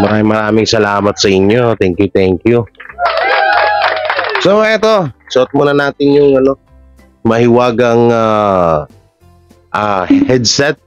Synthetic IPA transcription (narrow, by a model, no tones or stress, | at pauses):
mɐɾaːmɪŋmɐɾaːmɪŋsɐlaːmɐt̪̚sɐʔɪɲjo̞t̪ɛŋkjʊt̪ɛŋkju | somɐʔɛt̪o̞sɐʔot̪̚moːnɐnaːt̪ɪnjʊŋɐno̞ | mɐhɪwaːɡɐŋa | ʔahɛd̪̚sɛt̪̚